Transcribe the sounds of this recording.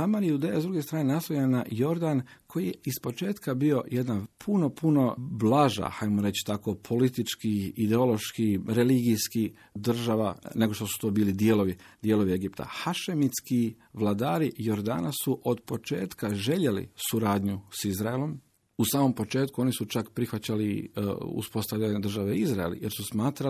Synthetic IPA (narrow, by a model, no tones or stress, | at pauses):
amaːɾiud̪ejazd̪ɾuɡest̪ɾaːnenasojanajo̞ɾd̪ankʰo̞jijeispo̞t͡ʃe̞ːt̪kabio̞jed̪napʰuno̞puno̞blaʒa̰xajmoɾe̞t͡ɕi̥t̪ako̞pʰo̞lit̪it͡ʃkiid̪eo̞lo̞ʃkiɾeliɡiski | d̪r̩ʒaʋa̰ne̞ɡo̞ʃt̪osu̥t̪o̞ːbiːlid̪jeloʋid̪̥jelˠo̞ʋie̞ɡipt̪a̰xaʃemit̪ski | ʋlˠad̪aːɾijo̞ɾd̪a̰ːnasuʔo̞d̪po̞t͡ʃe̞ːt̪kaʒe̞ʎelḭsuɾaːd̪ɲusizɾaelo̞m | usaːmo̞mpo̞t͡ʃe̞ːt̪̚kuo̞nisut͡ʃakpɾixʋat͡ɕaliṵspo̞st̪aʋʎaɲed̪r̩ʒaʋeizɾaḛljḛɾsusmaːt̪ɾa